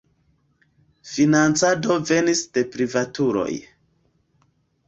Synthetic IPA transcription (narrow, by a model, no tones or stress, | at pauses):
finant͡sado̞ve̞nisde̞pɾivatuɾo̞̰j